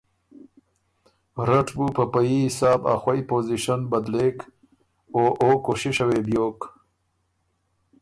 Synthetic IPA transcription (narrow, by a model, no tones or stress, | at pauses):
ɾaʈbupəpajihɪsɑːba̰xwajpoːziʃanbɐd̪lek | oʔokoʃiʃɐwebjoːk